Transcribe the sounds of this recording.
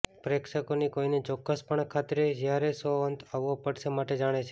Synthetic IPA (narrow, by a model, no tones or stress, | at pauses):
pɾekʃəkonikoinet͡ʃɔkːəspəɳkʰat̪ɾed͡ʒjaɾesoənt̪aʋʋopəɽʃemaʈed͡ʒaɽ̃et͡ʃʰe